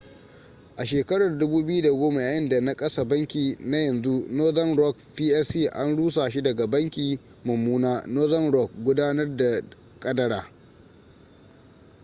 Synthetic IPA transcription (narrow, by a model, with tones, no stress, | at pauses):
ʔa˨ʃeː˨kɐ˦ɽɐ˨rdʊ˦buː˦bɪ˦ju˦da˨ɡʷoː˦ma˨jaː˨jɪ˦nda˨na˦kʼɐ˦sa˨bɐ˦ŋkʲiː˨na˦jɐ˨nzu˦noː˦zɐ˦nɾɔ˦kɸiː˦ʔɛ˦siː˦˨ʔa˦nɽuː˦s̬aː˨ʃi˦dɐ˨ɡa˨bɐ˦ŋkʲiː˨ | mɐ˨mːuː˦naː˦noː˦zɐ˦nɽɔ˦˨k̚ɡʷʊ˦daː˦nɐ˦rda˨ | kʼɐ˦dɐ˦ɽaː˨